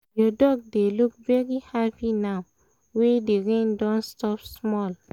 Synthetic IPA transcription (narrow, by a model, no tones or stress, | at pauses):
jɔdɔɡ̚delukvɛɹihapinaʊ | wedeɹẽndãnstɔpsmɔl